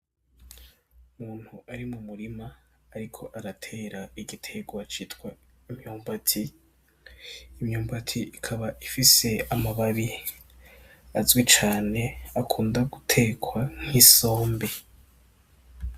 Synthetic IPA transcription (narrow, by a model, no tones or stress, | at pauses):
umuːn̥huʔaɾimumuɾimaːɾikʰo̞ʔaɾatʰe̞ːɾaiɡitʰe̞ɡwat͡ʃitkwa | imɲuːmbatʰi | mɲuːmbatʰiʔikʰaβaʔifise̞amaβaɾi | azɡwit͡ʃaːne̞akʰuːndaɡutʰe̞ɡwaŋ̥hiso̞ːmbe̞